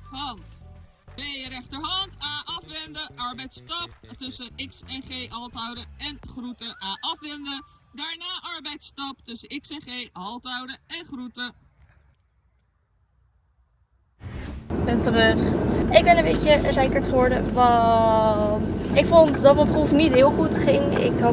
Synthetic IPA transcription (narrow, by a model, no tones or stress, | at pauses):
ʋɑnt | bɪjəɾɛχtəɹɦɑntaːʔɑfʋɛndəʔɑɹbɛjtstɑp̚tɵsənɪksɛnχejʔɑlˠtɑwdəɛnχrutəʔaːʔɑfʋɛndədaːɹnaːʔɑɹbɛjtstɑp̚tɵsənɪksɛnχejɦɑlˠtɑwdəɛnχrutə | bɛntərøχɪɡ̚bɛnəmbejcəzejkəɹtχəʋɔɹdəʋɑ | ntɪkfontdɑtəprufnitɦɪːlˠχutχɪŋ | ɪ̰kɦɑ